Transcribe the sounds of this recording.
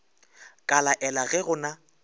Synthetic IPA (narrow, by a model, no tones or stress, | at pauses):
kʼalaʔɛlaɣɛɣʊna